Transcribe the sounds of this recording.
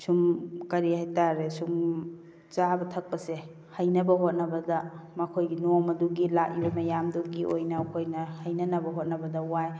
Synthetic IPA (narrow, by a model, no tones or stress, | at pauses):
sumkɐɾihajtaɾesum | t͡ʃabɐtʰɐk̚pɐse | hɐjnɐbɐɦot̚nɐbɐdɐmɐkʰojɡinomɐduɡilak̚ibɐmɐjamduɡiʔojnɐkʰojnɐhɐjnɐnɐbɐɦot̚nɐbɐdɐuaj